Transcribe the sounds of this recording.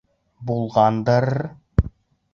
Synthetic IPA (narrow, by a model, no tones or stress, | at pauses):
bulˠʁɑnd̪ɤɾ